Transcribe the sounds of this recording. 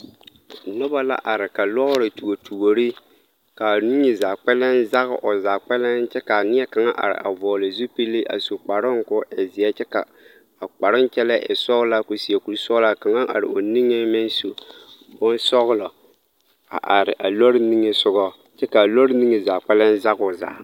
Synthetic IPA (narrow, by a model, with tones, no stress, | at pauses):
nʊ˦ba˦la̰˦ʔa˨ɾɪ˨ka˨lɔ˦ɾɪ˨tu˨ɡo˨tʰu˨ɡo˨ɾi˦ | ka˨ni˦ŋɪ˨zaː˨k͡pɛ˦lɛ˦nza˦ɣɪ̰˦ʔʊ˨zaː˨k͡pɛ˦lɛ˦nt͡ʃɛ˦ka˨nɪ˦ɛ˦ka˨ŋa˦ʔa̰˨ɾɪ̰˨ʔa˨vɔː˨lɪ˨zu˦pi˦lɪ˦ʔa̰˨su˨k͡pa˨ɾɪ˦ŋ˦kʊ˦ʔɛ˨zɪ˨ɛ˦t͡ʃɛ˦ka˨ | a˨k͡pa˨ɾɪ˦nt͡ʃɛ˦lɛ˦ʔɛ̰˨sɔ˦ɣla˦ko˨si˨ɛ˨ku˨ɾsɔ˦ɣla˨ka˨ŋa˦ʔa̰˨ɾɪ̰˨o˨ni˦ŋɪ˦mɪ˦n˦so˨ | bʊ˦n˦sɔ˦ɣʊ˦lɔ˨ | a̰˨ʔa˨ɾɪ˨ʔa˨lo˦ɾɪ˦ni˦ŋɪ˦sʊ˦ɡɔ˦ | t͡ʃɛ˦ka˨lo˦ɾɪ˦ni˦ŋɨ˨za˨k͡pɛ˦lɛ˦n˦za˦ɣʊ˨za̰ː˨